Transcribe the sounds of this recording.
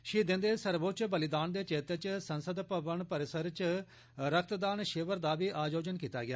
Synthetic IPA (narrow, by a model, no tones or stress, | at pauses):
ʃiːd̪ɪ̃nd̪eːsəɾboːt͡ʃbəlɪd̪aːnd̪eːt͡ʃeːt̪eːt͡ʃsənsəd̪pəʋəɳpəɾɪsəɾt͡ʃ | ɾək̚ʰt̪d̪aːnʃeːʋəɾd̪aːʋiːʔaːd͡ʒoːd͡ʒənkiːt̪a̰ːɡɪja̰ː